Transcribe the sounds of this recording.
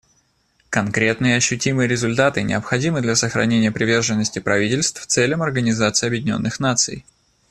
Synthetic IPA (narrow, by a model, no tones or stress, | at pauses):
kɐnkɾʲe̞t̪nɨjəɐɕːʉtʲimɨjəɾʲɪzʊlʲt̪at̪ɨnʲɪ̰əpxɐdʲimɨd̪lʲɐsəxɾɐ̰nʲenʲɪjəpɾʲɪvʲe̞rʐɨnːəsʲtʲɪpɾɐvʲitʲɪlʲst̪ft̪sɛlʲəmɐrɡənʲɪzat̪sɨɪɐbjɪdʲɪnʲo̞̰nːɨxnat̪sɨ̰j